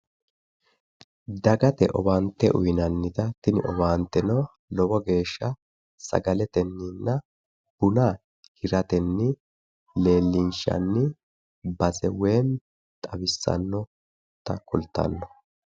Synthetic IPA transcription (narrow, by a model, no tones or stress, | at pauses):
d̪ɐɡɐt̪ɛ̰ʔɔbaːnt̪ːɛʔʊjnɐnːɪt̪ɐt̪ɪnɪʔɔbaːnt̪ːɛnɐ | lɔbɔɡe̞ːʃːɐ | sɐ̰ɡɐlɛt̪ɛnːɪnːɐ | b̥ʊnaː | hɪɾɐt̪ɛnːɪ | le̞ːlːɪnʃɐ̰nːɪ | bɐsɛweːn | t̪ʼɐbɪsːɐ̰nːɔ | t̪ɐkʊlt̪ːɐ̰nːɔ